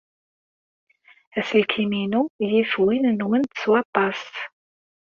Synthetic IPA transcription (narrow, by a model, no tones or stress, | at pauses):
æsəlkʰiminujifwinnwənt̪ə̥swɑt̪ˤːɑs